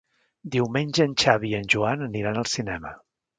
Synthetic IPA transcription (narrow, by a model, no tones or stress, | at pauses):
d̪iwmenʲʒəːnʲt͡ʃaβiənʲʒuanəniɾanəlˠsinɛmə̰